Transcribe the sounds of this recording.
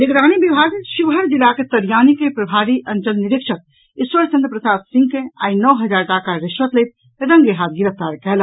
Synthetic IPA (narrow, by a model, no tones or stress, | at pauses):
nɪkɾaːñibibʱaːɡʃuʋɦəɾd͡ʒɪlaket̪ɐɾjaːnikepɾɐbʱaːɾiʔɐ̃nt͡ʃəlnɪɾɪkʃək̚ | ɪswəɾt͡ʃənd̪ɾəpɾəsaːt̪sɪ̃ŋɡkẽa̰ːinɔːɦɐd͡ʒaːɾʈaːkaɾɪʃʋət̪let̪̚ | ɾə̃ŋɡeɦaːt̪̚ɡɪɾəp̚ʰt̪aːɾkɛl